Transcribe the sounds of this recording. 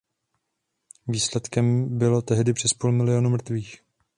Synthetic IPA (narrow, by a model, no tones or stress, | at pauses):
viːslɛt̪kɛmbɪlo̞t̪ɛɦdɪpr̥ɛspuːlmɪlɪjo̞numr̩t̪viːx